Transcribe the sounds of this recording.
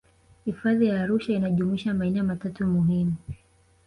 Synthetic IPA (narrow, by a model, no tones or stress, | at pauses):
hifaðijaːɾuʃainaʄumuiʃamainɛɔmatatumuɦimu